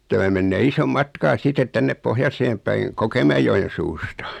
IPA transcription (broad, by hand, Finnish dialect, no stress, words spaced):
tæmæ menːeː isom mɑtkɑː sitet tænːep pohjɑseːm pæiŋ kokemæejojen̞ suːstɑ